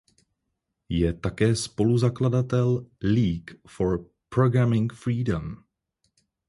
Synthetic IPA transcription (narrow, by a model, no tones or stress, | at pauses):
jɛt̪akɛːspo̞luzakladat̪ɛlliːkfoɾ | pɾoɡɾamɪŋfɾiːdom